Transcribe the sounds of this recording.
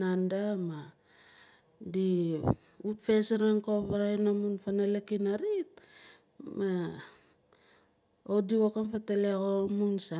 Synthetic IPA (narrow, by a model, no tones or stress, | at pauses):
andama | di | utfe̞seɾaŋkoβaɾajnamunfanalekinaɾit̚ | ma | odiokamfatelekomunsa